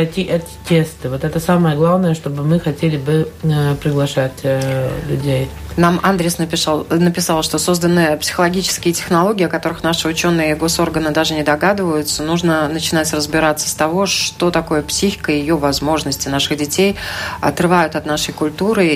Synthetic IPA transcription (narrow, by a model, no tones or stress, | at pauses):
ɐtʲiʔɛt̪ʲɪ̥tʲest̪ɨvo̞t̪ɛt̪əsaməjəɡlˠavnəjəʂt̪o̞bɨmɨxɐtʲelʲɪbɨpɾʲɪɡlˠɐʂatʲlʲʊdʲejnamand̪ɾʲɪsnəpʲɪʂalˠnəpʲɪsalˠʂt̪o̞so̞zd̪ənɨpsʲɪ̥xəlˠɐɡʲit͡ɕɪ̥skʲɪjətʲɪxnɐlˠo̞ɡʲɪːɐkɐt̪o̞ɾɨxnaʂɨʊt͡ɕo̞nːɨjəɪɡo̞so̞rɡənɨd̪aʐɨnʲɪd̪ɐɡad̪ɨvəjʊt̪sənuʐnənət͡ɕɪnatʲrəzbʲɪɾat̪sːə̥st̪ɐvo̞ʂt̪o̞t̪ɐko̞jəpsʲixʲɪ̥kəjɪjo̞vɐzmo̞ʐnəsʲtʲɪnaʂɨɣdʲɪtʲejɐ̰t̪rɨvajʊt̪ɐt̪naʂəjkʊlʲt̪uɾɨ